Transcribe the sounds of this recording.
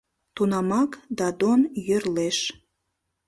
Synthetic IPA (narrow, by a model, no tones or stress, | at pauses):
t̪unɑmɑkd̪ɑd̪onjørleʃ